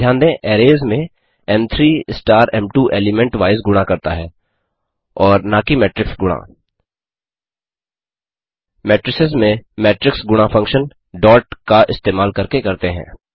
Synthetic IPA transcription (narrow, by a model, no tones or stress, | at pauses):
jãːnd̪ẽʔɛːɾeːzmẽ | ɛmt̪ʰɾiːsʈaːɾɛ̃mʈuːʔeːlɪmɛ̃ɳʈʋaːɪzɡʊɽ̃akɐɾt̪aɦɛː | ɔːɾnaːkimɛːʈɾɪksɡʊɽ̃a̰ː | mɛːʈɾɪsɪzmẽmɛːʈɾɪksɡʊɽ̃afʰɐ̃ŋkʃən | ɖɔːʈkaʔɪst̪eːmaːlkɐɾkekɐɾt̪eɦɛ̰̃ː